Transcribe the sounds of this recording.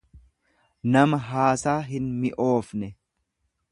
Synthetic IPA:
nɐmɐɦaːsaːɦɪnmɪʔo̞ːfnɛ

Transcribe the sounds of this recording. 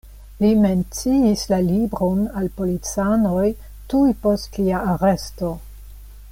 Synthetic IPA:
lime̞nt͡siislalibɾo̞nalpo̞lit͡sanoj | tujpostliaːɾe̞sto̞

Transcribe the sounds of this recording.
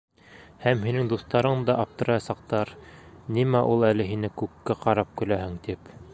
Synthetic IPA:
hæmhinɘŋd̪uθt̪ɑɾɤɴd̪ɑʔɑp̚t̪ɤ̆ɾɑjɑsɑq̚t̪ɑɾnimæʔulˠælɘɦinɘkʉkːæqɑɾɑp̚kɵ̆læhɘŋt̪ip

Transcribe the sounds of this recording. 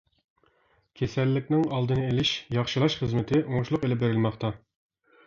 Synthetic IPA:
kʲʰesɛlːɪkʲnɪŋɑlˠd̪ɨnɨelɪʃjɑχʃɨlˠɑʃχəzmɪt̪ʰɪʔoŋʊʃlˠʊqelɪp̚beɾɪlmɑχt̪ɑ

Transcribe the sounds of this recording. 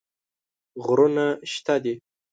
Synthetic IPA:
ɣɾunaʃt̪ad̪i

